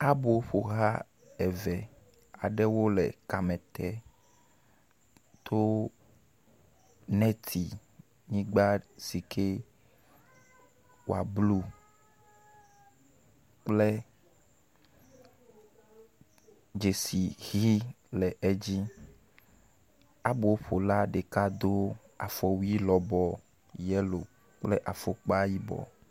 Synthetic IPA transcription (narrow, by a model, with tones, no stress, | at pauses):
a˦bo˨˦ɸo˨ɣa˦ | ɛ˨vɛ˨ | a˨ɖɛ˦wo˦lɛ˨ka˨mɛ̃˨t̪ɛ˦ | t̪ʰo˦ | nɛ̃˦t̪ʰi˨ | ɲĩ˦ɡ͡ba˦si˨kʰe˦ | wo̰˨a̰˨blu˦ | k͡ple˦ | d͡ʒe˨si˨ɣi˦ | lɛ˨ʔe˦d͡ʑi˦ | a˦bo˨o˦ɸo˨la˦ɖe˨ka˦d̪o˦ | a̰˨fɔ˨wu˦i˦lɔ˨bɔ˨ | jɛ˦lo˨ | k͡ple˦ʔa˨fo˦k͡pa˦ji˦bɔ̰˨